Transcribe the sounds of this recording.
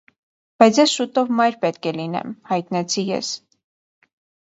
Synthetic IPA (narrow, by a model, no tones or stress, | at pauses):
b̥ɑjt͡sʰjɛsʃut̪ɔvmɑjɾpɛt̪kʰɛlinɛ̰mhɑjt̪nɛt͡sʰijɛ̰s